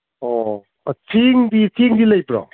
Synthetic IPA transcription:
ɔ | tʰiŋd̪itʰiŋd̪ilajpɾɔ̰

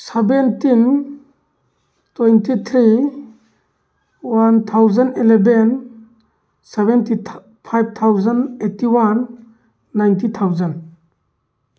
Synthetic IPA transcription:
sebentin | tɔjntit̪ʰɾi | want̪ʰawzaneleben | sebenti | pʰajb̚t̪ʰawzanetiwanː | ajntit̪ʰawzan

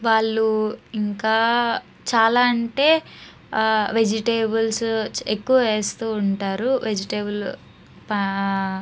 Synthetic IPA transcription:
ʋaːɭːuiŋkaː | t͡ʃaːlaːɐɳʈe̞ː | ʋe̞d͡ʒiʈeːbɐlsekːuʋɐʋe̞ːst̪uːɳʈaːɾuʋed͡ʒiʈeːbɐl | p

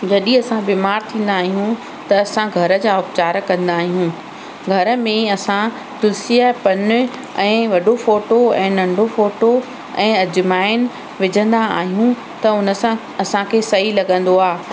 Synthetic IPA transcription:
d͡ʑɐɗĩɐsãbiːmaːɾt̪ʰĩːn̆d̪aːɦijũ | t̪ɐːsãɡʱɐɾə̆d͡ʑaːʊpt͡ɕaːɾkɐ̃nd̪aːɦijũ | ɡʱɐɾə̆mẽɐsã | t̪ʊlsiəpɐnɪ̆ | ɛ̃ːʋɐɗofoːʈoɛ̃ːnɐ̃ɳɖʱofoːʈo | ɛ̃ːɐd͡ʑɪmaːɪnɪ̆ | ʋɪd͡ʑʱə̃nd̪aa̰ːɦijũ | t̪ɐʊnə̆sã | ɐsãkʰeːsɐɦilɐɠə̃nd̪oaː

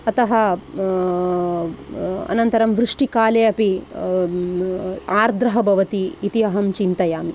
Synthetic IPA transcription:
ɐt̪ɐɦɐ | ɐ̰nɐnt̪ɐɾɐmʋɾuʂʈikaːleːɐpi | aːɾd̪ɾɐɦɐbʱɐʋɐt̪iːt̪iɐɦɐmt͡ʃint̪ɐjaːmi

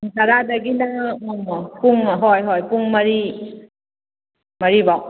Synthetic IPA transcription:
ŋsaɾadaɡinaɔmpuŋɦɔjɦɔjpuŋmɐɾi | maɾibaw

